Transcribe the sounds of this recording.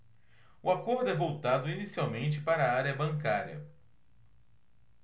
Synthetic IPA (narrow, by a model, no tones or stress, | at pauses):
ʊakoɾd̪ʊɛvowt̪ad̪ʊinisiawmẽnt͡ʃɪpaɾɐːaɾjɐbɐ̃ŋkaɾjɐ̰